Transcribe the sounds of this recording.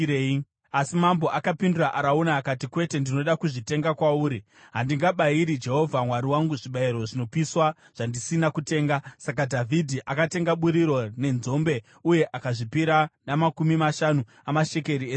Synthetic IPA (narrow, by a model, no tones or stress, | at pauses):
e | asimambo̞ʔakapinduraʔaɾaunaːkatikwe̞te̞ndino̞ɗakuʐite̞ŋɡakwauːɾi | ɦandiŋɡaɓaiɾid͡ʒe̞ɦo̞vʱamwaɾiwaŋɡuʐiɓaiɾo̞ʐino̞piswa | ʐ̥andisinakute̞ːŋɡasak̬adʱavʱidʱiʔakate̞ŋɡaɓuɾiɾo̞ne̞nzo̞mbe̞ | uje̞ʔakaʐipiɾanamakumimaʃanu | amaʃe̞ke̞ɾieːs